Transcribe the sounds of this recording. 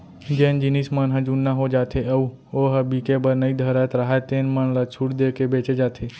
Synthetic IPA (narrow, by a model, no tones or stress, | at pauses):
d͡ʒeːnd͡ʒinismənɦɐd͡ʒunːaɦod͡ʒaːt̪ʰeɐu | oːɦɐbikebəɾnəid̪ʱəɾaːt̪ɾaɦat̪ẽːnmənlat͡ʃʰuɽd̪ekebeːt͡ʃed͡ʒaːt̪ʰeː